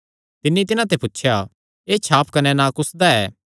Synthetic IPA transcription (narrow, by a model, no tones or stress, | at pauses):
t̪ɪnːĩt̪̬ɪnãt̪epʊtːʃʰja | eːt͡ʃʰaːpʰkɐnɛnãkʊsd̪aɛː